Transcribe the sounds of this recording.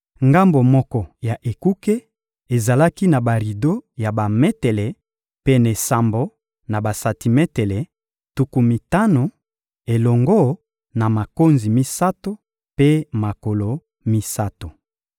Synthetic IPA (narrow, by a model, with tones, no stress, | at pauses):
ŋɡa˦mbo˨mɔ˦kɔ˨ja˨ʔe˨ku˦ke˦ | e˨za˨la˦ki˦na˨ba˨ʁi˨do˦ja˨ba˨mɛ˦te˨lɛ˨ | pe˦ne˨sa˨mbo˦ | na˨ba˨sa˨ti˨mɛ˦te˨lɛ˨ | tu˨ku˨mi˨ta˦no˨ | e˨lɔ˨ŋɡɔ˦ | na˨ma˨ko˦nzi˨mi˦sa˦to˦ | pe˦ma˨ko˨lo˨ | mi˦sa˦to˨